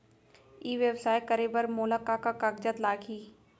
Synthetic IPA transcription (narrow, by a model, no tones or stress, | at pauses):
iːʋjəwsaːjkəɾeːbəɾmoːlakakakaɡd͡ʒət̪laːɡiː